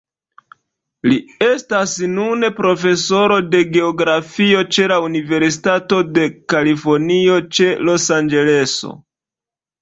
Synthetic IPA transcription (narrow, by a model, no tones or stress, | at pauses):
lie̞stasnune̞pɾo̞fe̞so̞ɾo̞de̞ɡe̞oɡɾafio̞t͡ʃe̞launive̞ɾsitato̞de̞kalifo̞ɾnio̞t͡ʃe̞lo̞sand͡ʒe̞le̞so̰